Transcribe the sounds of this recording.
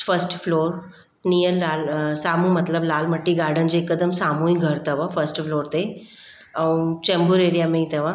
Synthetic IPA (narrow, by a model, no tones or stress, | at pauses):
fəsʈfʰloːɾ | nijəlaːlsaːmũmɐt̪ləblaːlmɐʈːiɡaːɾɖənd͡ʑeːkːəd̪əmsaːmũĩɡʱɐɾt̪ɐʋafʰəɾsʈfʰloːɾt̪e | ɐũt͡ʃẽmbuɾeːɾijamẽĩt̪ɐʋa